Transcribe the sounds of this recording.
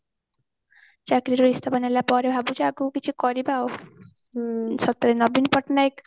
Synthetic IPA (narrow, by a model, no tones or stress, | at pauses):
t͡ʃakɾiɾoist̪ʰapɔnalapɔɾebʱabud͡ʒaɡukit͡ʃʰukɔɾibaw | sɔt̪ːɾenɔbinpɔʈnajk